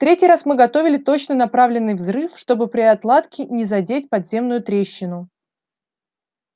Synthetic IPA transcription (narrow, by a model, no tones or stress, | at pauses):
ft̪ɾʲetʲɪjɾasmɨɡɐt̪o̞vʲɪlʲɪt̪o̞t͡ɕnənɐpɾavlʲɪnːɨjvzɾɨfʂt̪o̞bɨpɾʲɪɐt̪lˠat̪kʲɪnʲɪzɐdʲetʲpɐd̪zʲe̞mnʊjʊt̪ɾʲeɕːɪnʊ